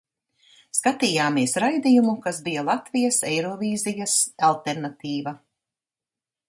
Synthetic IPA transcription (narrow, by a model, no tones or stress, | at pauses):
skat̪iːjaːmiɛsɾajd̪ijumukasbijalˠat̪vijɐsɛjɾɔviːzijasalˠt̪eɾnat̪iːva